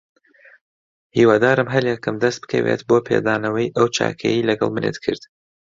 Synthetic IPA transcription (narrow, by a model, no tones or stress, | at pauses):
hiːwaːd̪aːɾɨmɦɐɾjɛkɨmd̪ɐst̪̚bɨ̥kʰɐ̰wḛt̪bopʰeːd̪aːnɐwɐjʔɐwt͡ʃʰa̰ːkʰɛjilɐɡɐ̰lˠmɨnḛːt̪kʰɨɾd̪̥